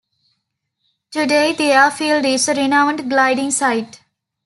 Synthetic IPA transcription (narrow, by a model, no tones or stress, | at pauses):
ʈuɖeːd̪eafiːlɖɪsɾɪnãʊ̃ɳɖɡlaɪɖɪ̃ŋsaɪʈ